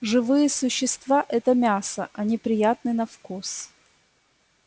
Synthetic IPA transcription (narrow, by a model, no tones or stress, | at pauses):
ʐɨvɨjəsʊɕːɪst̪vaʔɛt̪əmʲasəʔɐnʲɪpɾʲɪjat̪nɨnɐfkus